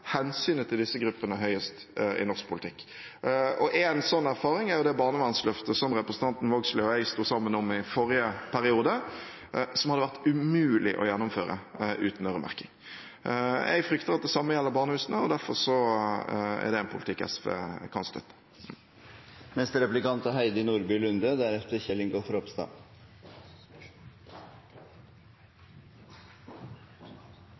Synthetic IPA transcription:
hɛnsyːnət̪ʰɪld̪ɪsːəɡɾʉpːənəɦœʏəst̪ɪ̰nɔɾsk̚pʰʊlɪt̪ʰɪkː | ɔʔeːnsɔnːæɾfɑːɾɪŋæɾjʊd̪ɛbɑːnəʋɑnslœft̪əsɔmɾɛpɾəsn̩t̪ʰɑnt̪n̩ʋoːɡslɪɔɛɪst̪uːsɑmːənɔmɪfɔɾɪəpʰæɾɪuːd̪ə | sɔmhɑd̪ːəʋæʁt̪ʉmʉːlɪʔɔ̰jɛnːʊmføːɾə̰ʔʉ̰ːt̪n̩œɾəmʔæ̰ʁkɪŋ | ʔɛ̰ɡfɾʏkt̪əɾɑt̪̚d̪ɛsɑmːəjɛlːəɾbɑːʁnəhʉːsnəɔd̪æɾfɔɾʂɔ | æ̰ʁd̪ɛɛnpʰʊlɪt̪ɪkːɛ̰sʋḛːkʰɑnst̪ʰœ̰t̪ə̥ | nɛst̪əɾɛplɪkɑnt̪əɦæɪd̪əɪnuːɾbyːlʉnd̪əd̪æɾɛft̪əɾçɛlɪŋɡoːfɔɾɔpst̪ɑ̰ː

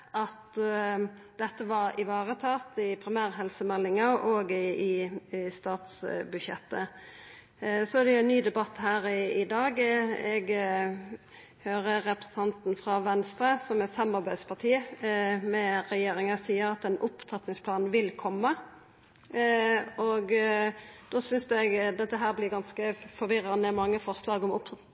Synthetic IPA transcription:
ɑt̪ | d̪ɛt̪ːəʋɑɾɪʋɑːʁət̪ʰɑːt̪ɪpʰɾɪmæːɾɦɛlsəmɛlːɪŋɑʔoːɡɪst̪ɑːt̪sbʉʃjɛ̰t̪ːə̰ | sɔæd̪ɛjʊɛnːyːd̪ɛbɑt̪ːhæːɾɪɪd̪ɑːɡɛɡ | høːʁəʁɛpɾəsən̩t̪ʰɑnt̪n̩fɾɑʋɛnst̪ɾəsɔmɛt̪shɛmːɑʁbæɪspʰɑʁt̪ʰiːmɛʁɛjeːɾɪŋɑsiːəɾɑt̪ɛnʊpt̪ʰɑt̪nɪŋspʰlɑːnʋɪlkʰɔmːə | ɔɡ | d̪̥oːsʏnsd̪ɛɡd̪ɛt̪ːəɦæːʁblɪːʁɡɑnskəfɔʋɪɾɑnəmɑŋːəfɔʁslɑːɡɔmʊp

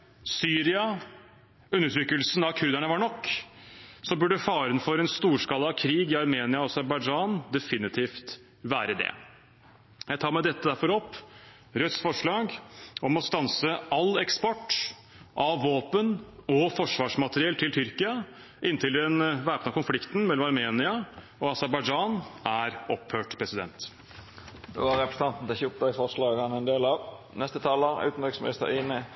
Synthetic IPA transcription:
syːɾɪɑ | ʉnːəʈ̪ʰɾʏkəlsn̩ɑʋkʰʉɾd̪æɳəʋɑɾɳɔkː | sɔbʉɖəfɑːɾənfɔɾɛnst̪uːʂkɑlːəɑʋkʰɾiːɡɪɑɾmeːnɪɑɔɑsæɾbɑɪd͡ʒɑnd̪ɛfɪnɪt̪ʰiːft̪ | ʋæːɾəd̪ɛ̰ | jæɪt̪ʰɑːmæɪd̪ɛt̪ːəd̪æɾfɔɾɔpː | ɾœt̪sfɔʂɭɑːɡɔmɔst̪ɑnsəɑlːɛkspɔʈː | ʔɑʋːoːpənɔfɔʂʋɑːʂmɑt̪əɾɪɛlt̪ʰɪlt̪ʰʏɾkɪɑ | ʔɪnt̪ʰɪlɛnʋæːpnəkʰʊnflɪkt̪n̩mɛlːɔmɑɾmeːnɪɑ | ɔɑsæɾbɑɪd͡ʒɑnʔæɾɔphøːʈpʰɾɛsɪd̪ɛ̰nt̪ | d̪̥o̰ːæɾɛpɾəsənɑnt̪n̩t̪ɛçʊpt̪ɑɪfɔʁslɑːɡɑnɛnd̪eːlɑ | nɛst̪ət̪ʰɑːləʉ̰ːt̪n̩bɛksmnɪst̪ə̰ɾiːnə

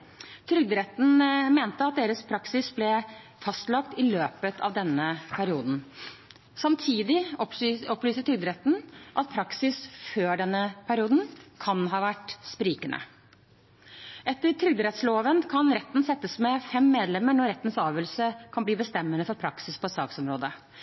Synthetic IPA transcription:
t̪ʰɾʏɡ̚d̪əɾɛt̪n̩meːnt̪əɑt̪̚d̪eːɾəspʰɾɑksɪsblɛ | fɑst̪lɑkt̪ɪløːpət̪ʰɑ̰ʋd̪ɛnːəpʰæɾɪuːd̪n̩ | sɑmt̪ʰiːd̪ɪ | ɔplyːsət̪ʰɾʏɡd̪əɾɛt̪n̩ʔɑt̪̚pʰɾɑksɪsføːɖɛnːəpʰæɾɪuːd̪n̩kʰɑnɦɑːʋæʈspɾiːkənʔə̰ | ʔɛt̪ːəɾʈʰɾʏɡ̚d̪əɾɛt̪sloːʋənkʰɑnɾɛt̪ːn̩sɛt̪ːəsmɛfɛmːeːd̪lɛmːəɳɔɾɛt̪ːən̩sɑːʋəlsəkʰɑnbliːbəst̪ɛmːənəfɔɾpʰɾɑksɪspʰɔsɑ̰ːksɔmɾoːd̪ə

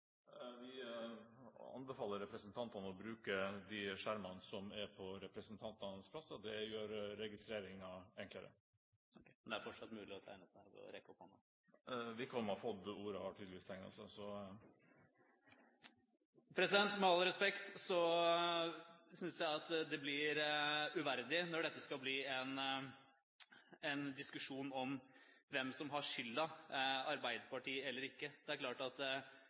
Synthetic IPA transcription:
ʋɪ | ɑ̰nbɛfɑːlːəɾɛpɾəsənt̪ʰɑnt̪ɑnəɔbɾʉːkəd̪ɪʂæɾmɑnsɔmæɾpʰɔɾɛpɾəsənt̪ʰɑnt̪ɑnəspʰlɑsːəd̪ɛjøːɾːɛɡɪst̪ɾeːɾɪŋɑɛŋkləɾə̰ | nd̪ɛæɾfɔʈʂɑt̪ːmʉːlɪɔt̪ʰæ̰ɪnəsæ̰ʋɔ̰ɾɛkɔphɑnːə | ʋɪkːʰɔmːəɑfɔd̪uːɾəhɑʈʰiːd̪lʋiːst̪ʰɛŋnɑ̰sɛ̰sɔ | pʰɾɛsɪd̪ɛnt̪mɛɑlɾɛspɛkt̪sɔ | sʏnsjæɪɑt̪d̪ɛblɪɾʉʋæɾd̪ɪnɔɖɛt̪ːəskɑlbliːɛn | ɛnd̪ɪskʉʂuːnɔm | ʋɛmsɔmɦɑʂʏlːɑɑɾbæɪd̪əpɑʈʰiːɛlːəɾɪkːəd̪ɛæɾkʰlɑːʈɑt̪

